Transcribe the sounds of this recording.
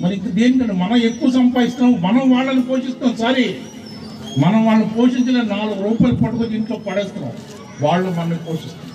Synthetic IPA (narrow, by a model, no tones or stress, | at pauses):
mɐɾiŋkːɐd̪eːnik̬ɐɳɖumɐnɐekːuʋɐs̬ɐmpaːj̪ist̪aːmɐnɐmʋaːɭːɐnipoːʂist̪aːmsaɾe | mɐnɐmʋaːɭɐnipoːʂiɲt͡ʃɐleːnaːluɡɐɾuːpaːjlupɐʈːukod̪iːɳʈloːpɐɽɛːst̪ɐna̰ːw | ʋaːɭːɐmɐnnipoːʂist̪a